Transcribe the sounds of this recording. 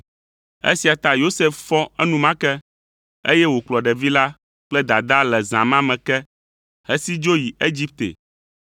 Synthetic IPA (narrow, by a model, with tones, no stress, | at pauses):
ḛ˦si˨a˨t̪a˦jo˦se˦ffɔ̃˦ɛ˦nũ˦mã˦kɛ˦ | ḛ˦jɛ˦wo˨k͡plɔ˨ɖɛ˨vi˦la˦ | k͡plɛ˦d̪a˨d̪a˦lɛ˨zã̰˨mã˦mɛ̃˨kɛ˦ | hɛ˦si˦d͡ʒo˦ji˨e˦d͡ʑi˦p̚t̪ḛ˨